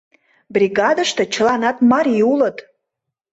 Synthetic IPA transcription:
brʲiɣɑd̪əʃt̪ɤ̆t͡ɕə̆lɑnɑt̪mɑɾʲiulət̪

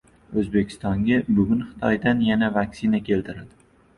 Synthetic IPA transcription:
ɵzbe̞kʲʰɪ̥st̪ɒŋɡʲabʊɡʲʊnχɪ̥t̪ʰɒjd̪anjanavakʲsɪnakʲʰe̞lt̪ʰɪɾad̪̥ɪ

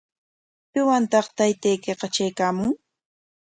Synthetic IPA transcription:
pɪwant̪ɑχt̪ajt̪ajkeqɑt͡ʃajkaːmʊŋ

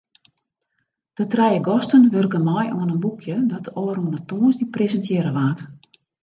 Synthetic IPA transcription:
d̥ətrɛjəɡɔstənʋørkəmɔjoənənbukʰjədɔtoəɾuənətoːnsdiprezəntjɪəɾəʋaːt

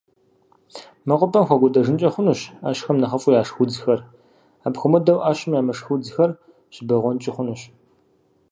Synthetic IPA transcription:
mɐqʷʼʊpʰɐmxʷɔɡʷʊdɐʐɨnt͡ʃʼɐχʷʊnuɕaːɕxɐmnɐχɐfʼʊjaːʂxud͡zxɐr | aːbxʷʊmɐdɐwʔaːɕɪmjaːmɐʂxud͡zxɐr | ɕɪbɐʁʷɔnt͡ʃʼɪχʷʊnuɕ

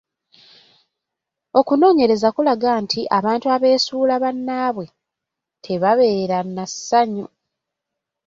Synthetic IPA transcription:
o̞kuno̞ːɲe̞ɾe̞zakulaɡaːntʰiʔaβaːntuaβe̞ːsuːlaβanːaːβwe̞ | tʰe̞βaβe̞ːɾanːasːaɲo

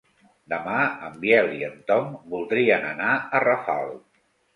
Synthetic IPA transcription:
d̪əmaəmbjɛliənt̪ɔmbulˠd̪ɾiənənaərəfa̰lˠ

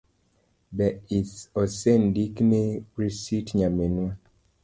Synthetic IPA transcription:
bɛisɔsendikneɾisitɲamenwa

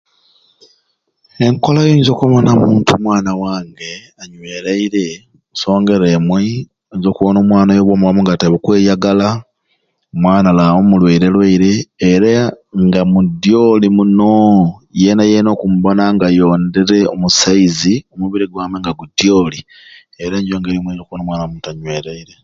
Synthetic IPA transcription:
eŋkolajoːɲzo̞ːkuβonamuːntʰumwaːnawaːŋɡe̞ | aɲweɾaiɾe̞ | muso̞ːŋɡe̞ɾemwe | eɲzo̞ːkuβono̞ːmwaːnajoβwoːmulamuŋɡataβekwe̞ːjaɡala | mwaːnalawomulweiɾe̞lweiɾe̞ːɾaŋɡamudjolimunojenajeno̞kumbonaŋɡajo̞ːnde̞ɾe̞omusaiziomuβiɾiɡwaːmweŋɡaɡudjo̞li | eɾeɲɟoːŋɡeɾimweiokuwonomwaːnaomuːntuaɲweːɾeiɾe̞

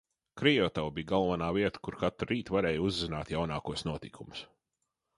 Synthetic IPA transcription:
kɾijɔt̪awbijɡalˠvanaːviɛt̪ə̥kuɾkat̪ɾuɾiːt̪vaɾɛːjuzːina̰ːt̪jawnaːkuɔsnuɔt̪ikʰumʊ̥s

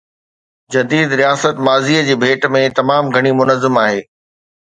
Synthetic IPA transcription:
d͡ʑɐd̪iːd̪ɾijaːsət̪maːziːəd͡ʑeːbʱeːʈmẽt̪ɐmaːmɡʱɐɽ̃imʊnəzːɪmaːɦeː

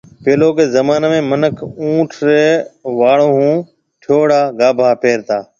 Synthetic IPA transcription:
peːloːkeːzəmaːneːmẽːmənəkʰũːʈʰɾeːʋaːɽõːɦũː | ʈʰjoːɽaːɡaːbʱaːpeːɾt̪aː

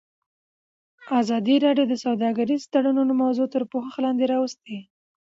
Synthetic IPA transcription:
ɑzɑd̪iɾɑɖjod̪əsawd̪ɑɡaɾizt̪aɽanunomawzot̪əɾpoxəxlɑnd̪eɾɑwəst̪e

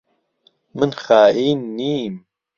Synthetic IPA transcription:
mɨnxaːʔiːnːiːm

